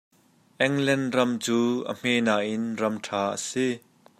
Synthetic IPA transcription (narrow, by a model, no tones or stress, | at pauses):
ʔɛŋlɛnrɐmt͡suːʔə̰m̥eːnaːʔɪnrɐmʈʰaːʔə̰si